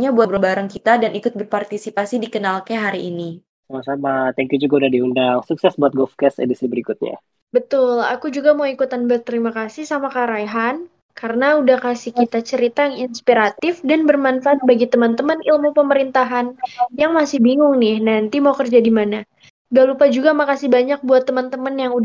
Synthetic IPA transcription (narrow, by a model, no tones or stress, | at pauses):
ɲabuabɾabaɾaŋkit̪adanʔikʊt̪̚bərpart̪isipasidikənalkaɦaɾiʔːni | samasamat̪ɛŋkjud͡ʒuɡaudahdiundaŋsuksɛsbuat̪̚ɡɔlfkɛst̪ḛdisibəɾikut̪̚ɲa̰ | bət̪ʊla̰kud͡ʒuɡamawikut̪anbərt̪ːəɾimakasɪhsamakaɾajɦan | kaɾənaudahkasɪhkit̪at͡ʃəɾit̪ajaŋinspiɾat̪ɪfdanbərmanfaat̪̚baɡit̪əmant̪əmənilmupəməɾint̪aɦanjaŋmasɪhbiŋʊŋnɪhnant̪imaukərd͡ʒadimana | ɡalupad͡ʒuɡamakasɪhbaɲak̚buat̪ːəmant̪əmanjaŋud